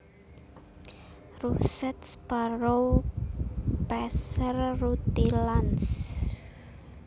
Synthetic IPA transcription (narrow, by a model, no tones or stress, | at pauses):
rusɛt̪spaɾow | pɛsərrut̪ilans